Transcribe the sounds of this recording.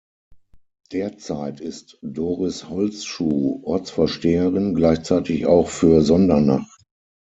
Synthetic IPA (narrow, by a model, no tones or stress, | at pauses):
d̥eːɐt͡saɪtɪstd̥oːʁɪshɔlt͡sʃuːʔɔɐt͡sfɛɐʃteːəʁɪnɡlaɪçt͡saɪtɪça̰ʊxfyːɐzɔndɐna̰χt